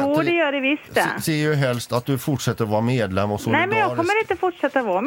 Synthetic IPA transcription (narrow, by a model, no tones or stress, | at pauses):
uːd̪ɛjøːɖɛʋɪst̪ə̰siːəɾjʉɦɛlst̪ɑt̪̚d̪ʉfɔʈʂɛt̪ːəɾɔʋɑɾmeːd̪lɛmɔsɔnæɪmɛnjɑɡkʰɔmːəɾɪt̪əfɔʈʂɛt̪ːaɔʋɑːɾm